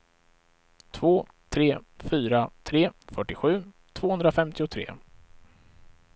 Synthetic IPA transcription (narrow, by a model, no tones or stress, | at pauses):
t̪ʰvoː | t̪ʰɾeːfyːɾat̪ʰɾeːfœʈːɪɧʉ̟ː | t̪ʰv̥oːhɵnd̪ɾafɛmt̪ɪʊt̪ʰɾḛː